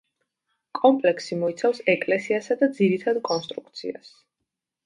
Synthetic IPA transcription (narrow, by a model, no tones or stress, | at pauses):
kʼɔmpʼlɛksimɔit̪sʰafsɛkʼlɛsiasad̪ad̪ziɾit̪ʰad̪kʼɔnst̪ʼɾukʰt̪sʰḭa̰s